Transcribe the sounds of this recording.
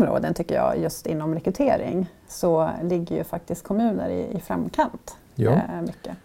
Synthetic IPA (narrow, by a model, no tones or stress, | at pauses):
mɾo̰ːd̪ənt̪ʏkːəjɑ̰ːjɵst̪ɪnːɔmɾɛkɾɵt̪ʰeːɾɪ̰ŋ | sɔlɪɡːəjɵfak̚t̪ɪst̪̚kʰɔmʉ̟ːnəɾɪ̰ɪfɾa̰mkʰant̪ | mʏkːə